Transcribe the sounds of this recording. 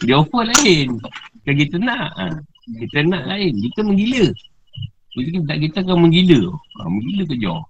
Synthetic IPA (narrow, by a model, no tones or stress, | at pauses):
diaokəlaɪnkakit̪ənaʔ | kit̪ənaʔlaɪnkit̪əməŋɡilə | kut̪kinaʔkit̪akaməŋɡiləə̰məŋɡiləkəd͡ʒɔ̰